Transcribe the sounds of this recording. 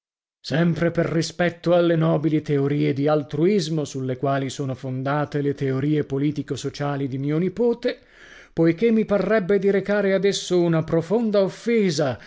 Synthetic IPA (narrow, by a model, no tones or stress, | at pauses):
sɛmpɾeperrispɛt̪ːoalːenɔːbilit̪eoɾiːed̪ialt̪ɾuizmosulːekwaːlisoːnofond̪aːt̪elet̪eoɾiːepoliːt̪ikosot͡ʃaːlid̪imiːonipoːt̪e | pojk̟emːiparːɛbːed̪iɾekaːɾead̪esːounapɾofond̪aofːeːza